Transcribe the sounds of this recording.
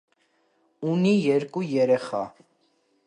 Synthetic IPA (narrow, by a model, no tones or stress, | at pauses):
unijɛɾkʼujɛɾɛχɑ̰